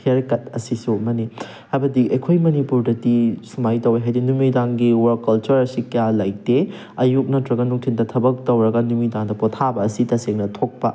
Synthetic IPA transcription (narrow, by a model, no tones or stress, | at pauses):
kʰeɾkɐt̚ɐsisumɐni | hajbɐdiʔekʰojmɐnipuɾdɐtisumajtɐweɦajdinumidaŋɡiwɐɾkːɐlt͡ʃɐɾɐsikɐjalɐjte | ɐjuk̚nɐtɾɐɡɐnuŋtʰindɐtʰɐbɐk̚tɐwɾɐɡɐnumidaŋdɐpotʰabɐːsitɐseŋnɐtʰok̚pɐ̰